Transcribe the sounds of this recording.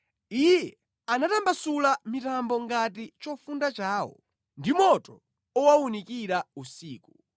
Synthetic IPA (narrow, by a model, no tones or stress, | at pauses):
ijɛ | anatambasulamitambɔŋɡat̬it͡ʃɔfundat͡ʃaːwɔ̰ | ndimɔtɔ | ɔwaunikiɾausiːku